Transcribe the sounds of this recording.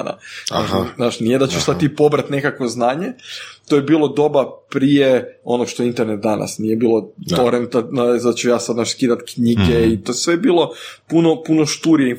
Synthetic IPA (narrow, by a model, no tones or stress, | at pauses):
na̰aaʃznaːʃnije̞d̪at͡ɕuʃsad̪̚t̪ːipo̞bɾat̪ne̞kakʋo̞znaːɲet̪ojebiːlˠo̞d̪o̞bapɾijeo̞nokʃt̪oeint̪eɾnet̪̚d̪ana̰snije̞biːlˠot̪oɾent̪aasat͡ɕujaːsad̪naːʃskiːd̪at̪kɲiɡeit̪osʋebiːlˠo̞puno̞puno̞ʃt̪uɾie